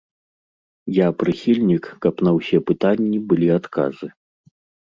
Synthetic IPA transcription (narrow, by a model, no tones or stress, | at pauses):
japɾɨxʲilʲnʲikːɐpnɐwsʲɛpɨt̪anʲːibɨlʲiat̪ka̰zɨ